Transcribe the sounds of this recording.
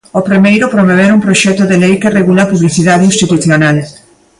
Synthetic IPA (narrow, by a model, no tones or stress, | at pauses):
opɾimejɾʊpɾomoβ̞eɾumpɾoʃɛt̪oðelejkereɣulapuβliθiðaðinst̪it̪uθjonal